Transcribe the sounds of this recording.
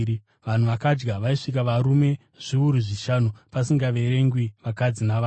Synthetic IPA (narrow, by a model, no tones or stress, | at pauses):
ʋan̤uʋakad͡ʒɡaʋaiʂik̬aʋaɾume̞ | ʐ̥iuɾuʐiʃanupasiŋɡaʋe̞ɾe̞ŋɡwiʋakad͡zinaʋaː